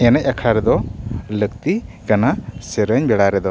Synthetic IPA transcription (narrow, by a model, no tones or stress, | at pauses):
ɛnɛcˀakʰɽaɾɛd̪ɔləkt̪ikanasɛɾəɲbɛɽaɾɛd̪ɔ